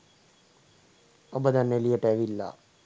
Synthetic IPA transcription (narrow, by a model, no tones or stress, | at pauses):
ɐbɐd̪anːelijəʈɛːʋilːa̰